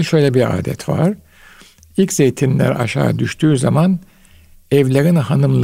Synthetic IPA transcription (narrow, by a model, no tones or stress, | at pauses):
ʃøjlʲɛbiɾa̰ːd̪ɛ̰t̪va̰ɾ̥ | ilʲcʲz̥ejt̪ʰinlʲæ̰ɾa̰ʃa̰ːd̪yʃt̪ʰyːzaman | ɛvlʲaɡɯnhanɯmlˠ